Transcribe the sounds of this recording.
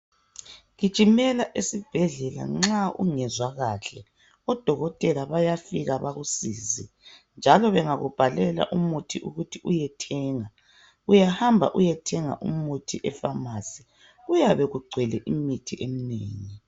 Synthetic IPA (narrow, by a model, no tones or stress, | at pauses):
ɣit͡ʃʼimɛlaʔesib̥ʱɛɮɛla̰ŋ͡ǁaṵŋɛzwaɣaɬɛ | ɔd̥ʱɔɣɔtʼɛlaβajafiɣaβaɣusiːzi | nd͡ʒʱalɔβɛŋaɣub̥ʱalɛla̰ʔumutʰiʔuɣutʰiʔujɛtʰɛːŋa | ujahambʱa̰ʔujɛtʰɛŋa̰ʔumutʰiʔɛfamasi̥ | ujaβɛɣuɡ͡ǀʱwɛlɛʔimitʰiʔemineːŋi